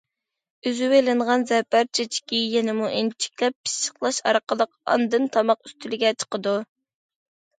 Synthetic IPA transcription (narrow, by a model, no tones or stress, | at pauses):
yzywelɪɴʁɑnzɛpæɾt͡ʃʰet͡ʃʰi̥kʲijɛnɪmuʔent͡ʃʰi̥kʲlɛpːi̥st͡ʃə̥qlˠɑʃɑ̰ɾqəlˠəqɑ̰nd̪ɨnt̪ʰɑmɑqyst̪ʰylɪɡʲɛt͡ʃʰə̥qəd̪u